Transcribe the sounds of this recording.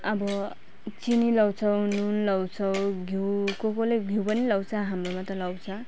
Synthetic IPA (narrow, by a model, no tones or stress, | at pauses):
abɔ | t͡sinilawt͡sʰɔwnunlawsʰɔwɡʱiwkokoleɡʱiwpʌnilawsʰaɦamɾomat̪ɔlawt͡sʰa